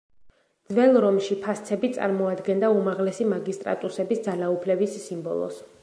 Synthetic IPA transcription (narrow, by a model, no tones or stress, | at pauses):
d̪zvɛlˠɾɔmʃipʰast̪sʰɛbit̪sʼa̰ɾmɔad̪ɡɛnd̪aumaʁlɛsimaɡist̪ʼɾa̰t̪ʼusɛbisd̪zalaupʰlɛbisːimbɔ̰lˠɔ̰s